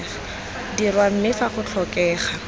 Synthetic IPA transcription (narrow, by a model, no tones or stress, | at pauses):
dirwam̩mɪfaχʊt͡ɬʰɔkɛːχa